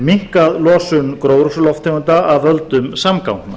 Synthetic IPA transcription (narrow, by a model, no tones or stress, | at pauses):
miŋ̥kaðlɔːsʏnkɾoːwɾɔsʏlɔft̪ʰɛmʏnt̪aʔavœlt̪ʏmsamkaw̥t̪na